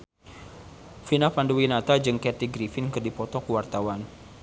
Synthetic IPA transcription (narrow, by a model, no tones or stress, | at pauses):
finapanduwinat̪ad͡ʒɨŋkɛt̪iɡɾifɪnkɨrdipɔt̪ɔkuwart̪awan